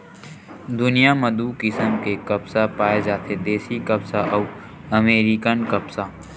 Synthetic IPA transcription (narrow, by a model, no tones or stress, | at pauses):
d̪ʊnijaməd̪uːkɪsəmkekɐpsapaːed͡ʒaːt̪ʰed̪eːsikɐpsaʔɐː | ɐmeːɾikənkɐpsa